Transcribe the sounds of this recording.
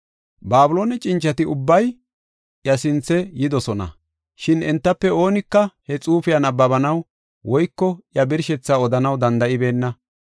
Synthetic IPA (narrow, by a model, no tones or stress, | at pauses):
baːbʊloːnɛt͡ʃʼɪnt͡ʃːɐt̪ɪʊbːɐj | jɐsɪnt͡sːɛjɪd̪ɔsɔnɐ̰ | ʃɪnɛnt̪ːɐpːɛo̞ːnɪkːɐhɛt͡sʼuːfɪjɐnɐbːɐbɐnɐw | wɔjkːɔjɐbɪɾʃɛt͡sːaɔd̪ɐnɐwd̪ɐnd̪ɐʔɪbe̞ːnːɐ